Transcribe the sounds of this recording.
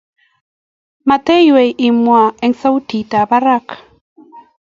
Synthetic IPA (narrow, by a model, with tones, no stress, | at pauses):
ma˨te˦jwe˨jʔi˨mwa˨ɛ˦ŋsa˦wti˨ta˨ba˦ɾa˦k